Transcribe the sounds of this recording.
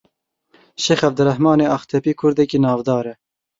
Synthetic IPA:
ʃexɛvd̪ɨɾɛhmɑːneːɑːxt̪ʰɛpiːkʰʊɾd̪ɛkinɑːvd̪ɑːɾɛ

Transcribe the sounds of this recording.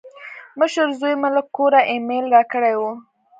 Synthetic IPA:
məʃəɾzojmaləkːoɾaʔemelɾɑkəɽejwu

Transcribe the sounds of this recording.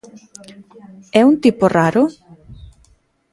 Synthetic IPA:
ɛunt̪ipʊraɾʊ

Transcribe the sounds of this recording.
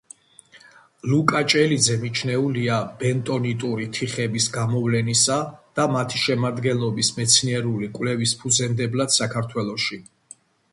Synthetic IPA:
lukʼat͡ʃʼɛlid̪zɛmit͡ʃʰnɛuliab̥ɛnt̪ʼɔnit̪ʼuɾit̪ʰiχɛbisɡamɔvlɛnisad̪̥amat̪ʰiʃɛmad̪ɡɛnlˠɔbismɛt̪sʰniɛɾulikʼwvlɛvispʰuzɛnd̪ɛblad̪̥sakʰaɾt̪ʰwɛlˠɔʃi

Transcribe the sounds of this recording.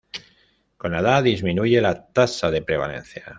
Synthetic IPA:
ko̞naðaðizmĩnuʝe̞lat̪asaðe̞pɾe̞β̞a̰le̞̰n̟θja

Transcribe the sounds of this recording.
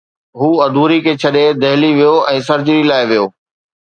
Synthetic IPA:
ɦuːɐd̪ʱuːɾikʰeːt͡ɕʰɐɗed̪ɐɦɪliʋijoɛ̃ːsɐɾd͡ʑɪɾilaːɪʋijoː

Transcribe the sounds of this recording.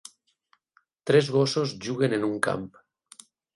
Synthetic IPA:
t̪ɾezβosozʒuɣ̞enenuŋka̰mp

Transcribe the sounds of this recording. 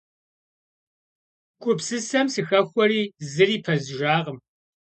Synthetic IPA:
kʷʼʊpsɨsɐmsɨxɐxʷɔɾiːzɨriːpʰɐzʒaːʁəm

